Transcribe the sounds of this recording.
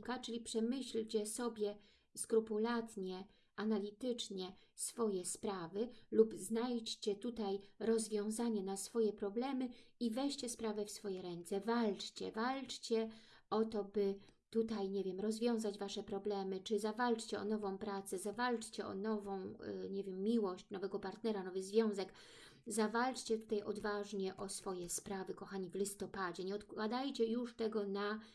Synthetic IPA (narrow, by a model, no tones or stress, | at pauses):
kat͡ʂɘlʲipʂɛmɘɕlt͡ɕɛsɔbʲjɛ | skɾupulat̪ɲɛ | analʲit̪ɘt͡ʂɲɛsfɔjɛspɾavɘlubznajt͡ɕt͡ɕɛt̪ut̪ajɾɔzvʲjɔ̃w̃zaɲɛnasfɔjɛpɾɔblɛmɘivɛɕt͡ɕɛspɾavɛfsfɔjɛɾɛnt̪sɛvalt͡ʂt͡ɕɛ̰valt͡ʂt͡ɕɛ | ɔt̪ɔbɘ | t̪ut̪ajɲɛvʲjɛmɾɔzvʲjɔ̃w̃zad͡ʑvaʂɛpɾɔblɛmɘt͡ʂɘzavalt͡ʂt͡ɕɛɔ̰nɔvɔ̃w̃pɾat̪sɛzavalt͡ʂt͡ɕɛɔ̰nɔvɔ̃w̃ɲɛvʲjɛmːʲiwɔɕt͡ɕnɔvɛɡɔpaɾt̪nɛɾanɔvɘzvʲjɔ̃w̃zɛk | zavalt͡ʂt͡ɕɛt̪u̥t̪ajʔɔd̪vaʐɲɛʔɔsfɔjɛspɾavɘkɔxaɲivlʲist̪ɔpad͡ʑɛɲɛɔt̪kwad̪ajt͡ɕɛjuʂt̪ɛɡɔna